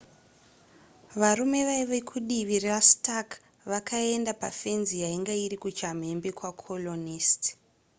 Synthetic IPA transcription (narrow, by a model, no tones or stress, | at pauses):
ʋaɾume̞ʋaiʋekʰuɗiʋirrastak | ʋakʰae̞ndapafe̞nzijaiŋɡaiɾikut͡ʃam̤e̞mbekwakʰolonisti̥